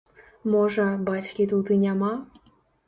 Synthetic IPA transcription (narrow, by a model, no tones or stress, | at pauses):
moʒə̆bɑtʲkʲit̪ut̪ɨnʲɑmɑ